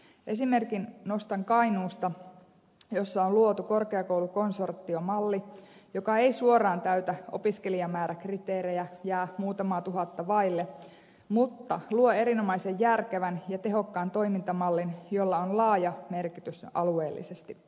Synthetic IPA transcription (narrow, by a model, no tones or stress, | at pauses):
ʔe̞sime̞rkinno̞st̪ɑŋkɑinuːst̪ɑ | jo̞sːɑonluot̪uko̞rkeɑko̞wluko̞nso̞rt̪ːio̞mɑlːijo̞kɑe̞isuorˑɑːnt̪æyt̪æo̞̰piske̞liɑmæːɾʔækrit̪eːɾejæjæːmuːt̪ɑmɑːt̪uɦɑt̪ːɑʋɑilːe | mut̪ːɑluoe̞ɾino̞mɑise̞jːærkeʋænjɑt̪e̞ɦo̞kːɑːnt̪o̞jmint̪ɑmɑlːinjo̞lːɑonlɑːjɑme̞rkit̪ysɑ̰lue̞ːlːḭse̞st̪i